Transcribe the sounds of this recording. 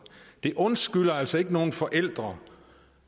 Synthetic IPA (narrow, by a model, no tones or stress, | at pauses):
d̥e̝ʔɔ̽nsɡ̥ylɐælsɒe̝ɡ̥əno̝ːn̩fɒ̽ʔel̰d̥ʁɐ